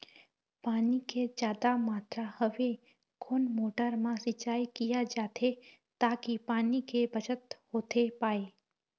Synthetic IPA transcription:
paːniked͡ʒjaːd̪amaːt̪ɾahəʋe | kʰoːnmoːʈəɾmãsɪt͡ʃaːjkijad͡ʒaːt̪ʰe | t̪aːkipaːnikebət͡ʃət̪hoːt̪ʰepaːe

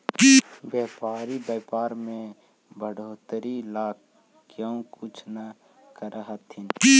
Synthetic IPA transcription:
bjeːpaːɾibɛːpaːɾmẽ | bəɽʱoːt̪əɾilaːk | kjõkʊt͡ʃʰna | kəɾəɦət̪ʰin

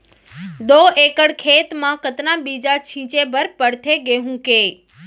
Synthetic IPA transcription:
d̪oekəɽkʰet̪mãkət̪nabid͡ʒat͡ʃʰĩt͡ʃebəɾpəɽt̪ʰeɡeɦũke

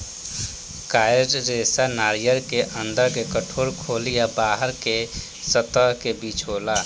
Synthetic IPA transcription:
kaːjɾɾesanaːɾijəɾkeʔə̃nd̪əɾkekəʈʰoːɾkʰoːlijabaːɦəɾke | sət̪əɦkebiːt͡ʃɦoːla

